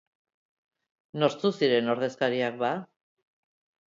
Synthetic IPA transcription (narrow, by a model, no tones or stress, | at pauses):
noɾt͡s̪usiɾe̞no̞ɾðe̞skaɾiak̚ba